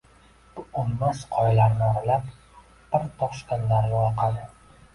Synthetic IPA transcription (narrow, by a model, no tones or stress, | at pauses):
b̥ʊʊmːasqʰɒjlaɾnɪaɾlap | b̥ɪɾt̪ʰɒχʃkʲanlaɾɡʲaɒɾqʰɑd̪ɪ